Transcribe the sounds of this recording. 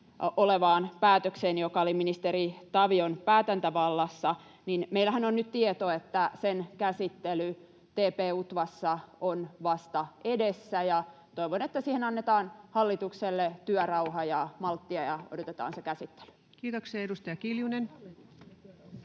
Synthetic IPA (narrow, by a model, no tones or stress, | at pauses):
ʔoleʋɑːnpæːt̪økseːnjokɑoliminist̪eɾit̪ɑʋionpæːt̪ænt̪æʋɑlːɑsːɑ | ninmeilːˑæhænonnyt̪t̪iet̪oet̪ːæsenkæsit̪ːely | t̪eːpeːut̪ʋɑsːɑonʋɑst̪ɑedesːæjɑ | t̪oiʋonet̪ːæsiːhenɑnːet̪ɑːnhɑlːit̪ukselːet̪yœrɑuhɑjɑmɑlt̪ːiɑjɑo̰dot̪et̪ɑ̰ːnsekæsit̪ːe̥ly̥ | kiːt̪okseːedust̪ɑjɑkiljunen